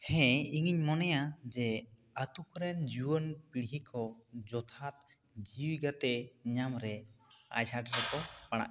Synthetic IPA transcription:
hɛ̃iŋiɲmɔnɛjad͡ʒɛ | at̪ukɾɛnd͡ʒuwənpɽiɦikʰɔd͡ʒɔt̪ʰat̪ | d͡ʒiwɡat̪ɛɲamɾɛa̰jsaʈɾɛkɔpaɽ̃a̰ʔ

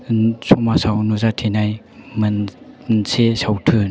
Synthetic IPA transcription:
sʰɔmasawnuzatʰenaj | mɯnnsʰesawtʰɯn

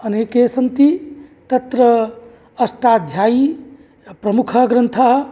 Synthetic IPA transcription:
ɐnekesənt̪it̪ɐt̪ɾəː | sʈad̪ʱjaːi | pɾɐmukʰɐɡɾənt̪ʰaɦ

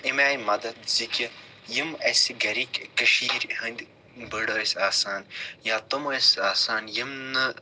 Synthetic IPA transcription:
emaːjmɐd̪ɐt̪zikʲɐ | jimesiɡɐɾikkːɐʃiːɾɦɐnd̪ʲ | bəɽoːesʲaːsaːnjaːt̪ɐmoesaːsaːnjɐmnɐ

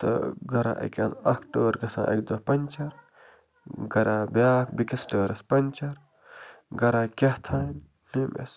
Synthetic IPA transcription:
t̪ɨ̰ɡɐɾã̰ːʔɐ̰kʲɐnɐkʰʈoːɾɡɐsã̰ːʔɐ̰kd̪opɐnʲt͡ʃɐɾ | ɡɐɾãːbʲjaːkbikɐsʈəːɾɐspɐnʲt͡ʃɐɾ | ɡɐɾãːkʲɐht̪ʰaːn | nemḛs

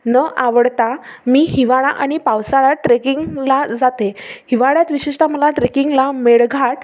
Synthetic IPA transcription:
nəʔaʋəɽt̪amiːhiʋaɭaʔaɽ̃ipaʋsaɭaʈɾekiŋɡlad͡zat̪ehiʋaɭjat̪ʋiɕiʂt̪aməlaʈɾekiŋɡlameɭɡʱaʈ

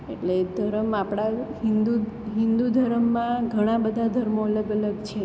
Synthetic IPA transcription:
eʈled̪ʱəɾəmapɽaɦind̪u | ɦĩnd̪ud̪ʱəɾəmːãɡʱəɽ̃ãbəd̪ʱad̪ʱəɾmoələɡələɡt͡ʃʰe

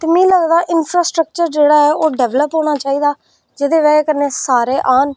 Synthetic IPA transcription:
t̪eːmĩːləɡd̪aːʔɪnpʰɾaːsʈɾək̚t͡ʃəɾd͡ʒeːɽaːɛːʔoːɖɛːʋləpɦoːɽ̃aːt͡ʃaːiːd̪aː | d͡ʒɪd̪eːʋɛːkəɾneːsaːɾeːʔaːn

